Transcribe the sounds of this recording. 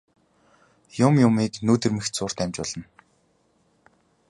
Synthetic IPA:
jʊmjʊmiːknuːt̪ɘ̆rmɘ̆xt̪sʊːr̥t̪æmʲt͡ɕpɔɮə̆n

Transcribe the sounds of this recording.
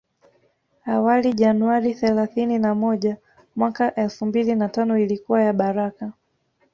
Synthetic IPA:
awaliʄanuaɾiθɛlaθininamɔʄa | mwakaʔɛlfumbilinatanɔilikuwajaɓaɾaka

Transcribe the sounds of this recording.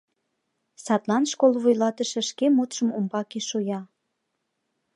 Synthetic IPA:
sɑt̪lɑnʃkolβujlɑt̪əʃĕʃkemot̪ʃəmumbɑkeʃujɑ

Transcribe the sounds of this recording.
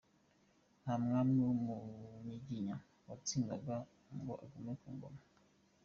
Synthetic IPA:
hamŋamumumiɟiɲa | wat͡siŋɡaɡa | ŋɡoʔa̰ɡumekuŋɡo̰ma

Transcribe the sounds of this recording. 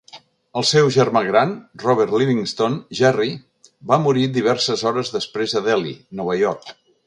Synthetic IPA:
əlˠsɛwʒəɾmaɣɾanrɔβɛɾt̪liβiŋst̪onʒɛri | bamuɾid̪iβ̞ɛɾsəzɔɾəzðəspɾezəðɛlḭnɔβəjɔɾk

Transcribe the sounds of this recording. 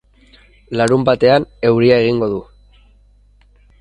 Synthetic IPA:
laɾumbat̪e̞ane̞wɾiae̞ɣiŋɡo̞ðu

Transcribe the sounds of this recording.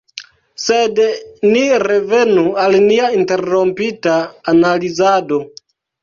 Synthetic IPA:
sedniɾe̞ve̞nualniainte̞ɾompitaːnalizado̞

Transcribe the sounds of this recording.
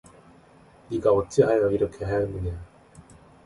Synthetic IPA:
niɡaot͡ɕ͈eanaɡiɾʌkʰeɦeɦannɯɲa

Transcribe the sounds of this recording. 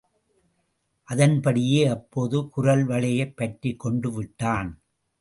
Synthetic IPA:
ʔɐðɐnpɐɽɪjeːɐpːoːðɯkʊɾɐlʋɐɭɐjɐɪpːɐʈrikːɔɳɖɯʋɪʈːaːn

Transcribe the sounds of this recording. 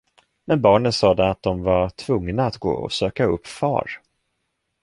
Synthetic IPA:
mɛnbɑːɳənsɑːd̪ɛat̪̚d̪ɔmvat̪ʰvɵŋnaːt̪ɡo̰ːɔ̰søːkaɵpːfɑ̰ːɾ

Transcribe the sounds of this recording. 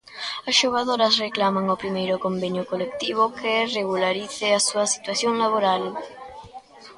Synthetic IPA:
ɐsʃoɣ̞aðoɾɐsreklamaŋopɾimejɾʊkombeɲjʊkolekt̪iβ̞okʰereɣulaɾiθɪasuɐsi̥t̪waθjoŋlaβoɾal

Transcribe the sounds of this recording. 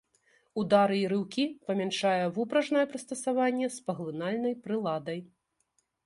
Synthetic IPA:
ud̪aɾɨiɾɨwkʲipɐmʲɛnʂajɛvupɾɐʐnɐjɛpɾɨst̪ɐsavanʲːɛspɐɣlˠɨnalʲnɐjpɾɨlˠad̪ɐj

